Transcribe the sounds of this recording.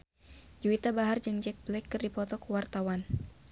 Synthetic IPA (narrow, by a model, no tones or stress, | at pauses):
d͡ʒuit̪abaɦard͡ʒɨŋd͡ʒɛk̚blɛkːɨrdipɔt̪ɔkuwart̪awan